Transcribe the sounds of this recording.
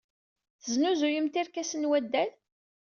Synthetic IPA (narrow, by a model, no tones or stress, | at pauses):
θəznuzujəmt̪iɾkæsənwæd̪ːæl